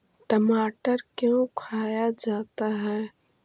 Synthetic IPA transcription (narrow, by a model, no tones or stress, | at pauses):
ʈəmaːʈəɾkjõkʰaːjad͡ʒaːt̪aɦɛː